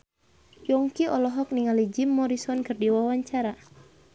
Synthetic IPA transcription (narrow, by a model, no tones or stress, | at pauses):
jɔŋkiɔlɔɦɔk̚niŋalid͡ʒimːɔɾisɔnkɨrdiwawaɲt͡ʃaɾa